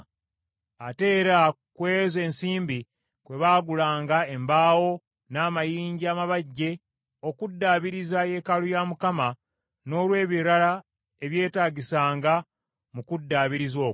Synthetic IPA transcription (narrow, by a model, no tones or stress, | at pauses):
ate̞ːɾa | kwe̞ːze̞ːnsiːmbi | kwe̞βaːɡulaːŋɡae̞mbaːwo̞ | naːmajiːɲɟiaːmaβaɟːe̞ | o̞kudːaːβiɾizaje̞ːkalujaːmukama | no̞ːlwe̞ːβiɾala | e̞βje̞ːtaːɟisaːŋɡa | mukudːaːβiɾizo̞ː